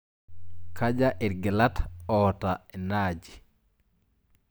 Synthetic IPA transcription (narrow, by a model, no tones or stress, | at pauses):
kʰad͡ʒaʔiɾɡɛlatɔtaɛnad͡ʒi